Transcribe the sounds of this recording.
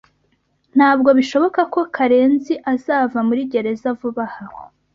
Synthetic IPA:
n̥haːb̚ɡo̞βiʃo̞βo̞kako̞kʰaɾe̞ːnziʔazaːvamuɾiɟe̞ɾe̞zavuβahaho

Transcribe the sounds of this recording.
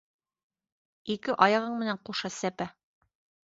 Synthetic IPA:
ikɘʔɑjɑʁɤɴmɘ̆næɴquʃɑsæpæ

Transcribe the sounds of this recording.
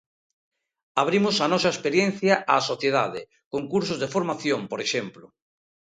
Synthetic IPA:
aβ̞ɾimʊsanɔsɐespeɾjenθjɐʔasoθjeð̞að̞ɪ | koŋkuɾs̬ʊzðefoɾmaθjoŋpoɾeʃemplʊ

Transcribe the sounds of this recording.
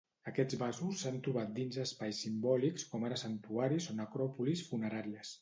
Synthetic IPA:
əkɛd̪d͡zβazusːant̪ɾuβ̞at̪̚d̪inzəspajsimbɔlikskɔmaɾəsant̪uaɾizonəkɾɔpulisfunəɾaɾiəs

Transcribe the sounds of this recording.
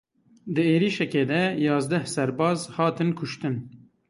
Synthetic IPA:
d̪əeːɾiʃɛkeːd̪ɛjɑːzd̪ɛhsɛɾbɑːzhɑːt̪ɨnkʰʊʃt̪ɨn

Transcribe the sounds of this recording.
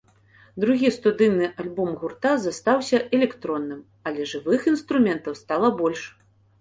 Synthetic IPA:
d̪ɾuɣʲist̪ud̪ɨjnːɨʔalʲbɔmɣurt̪azast̪awsʲɐʔɛlʲɛkt̪ɾɔnːɨm | alʲɛʐɨvɨxinst̪ɾumʲɛnt̪ɐwst̪alˠɐbɔlʲʂ

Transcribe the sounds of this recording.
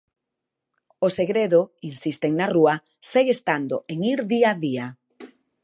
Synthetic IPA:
oseɣ̞ɾeðoinsist̪eŋnarua | seɣest̪and̪oʔeŋiɾðiaðia

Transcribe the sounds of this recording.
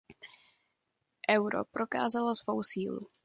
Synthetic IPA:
ʔɛwɾo̰pɾo̞ka̰ːzalosvo̞wsiːlṵ

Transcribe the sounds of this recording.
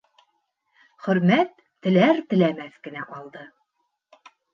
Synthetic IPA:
χɵ̆ɾmæt̪ːɘ̆læɾt̪ɘ̆læmæθkɘ̆næʔɒlˠd̪ɤ

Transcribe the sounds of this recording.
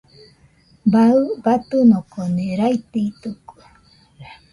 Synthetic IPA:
baubat̪unokoneɾait̪it̪uku

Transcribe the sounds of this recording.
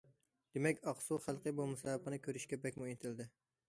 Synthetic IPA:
d̪̥emɛkʲɑqsuχalˠqɨbumʊsɑpɨnɪkʲʰøɾɪʃkʲɛbɛkʲmʊint̪ʰɪld̪ɪ

